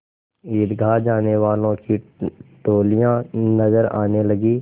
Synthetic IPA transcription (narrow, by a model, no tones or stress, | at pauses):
iːd̪ɡʱaːd͡ʒaːneʋaːlõkiʈoːlijãnɐzəɾa̰ːnelɐɡiː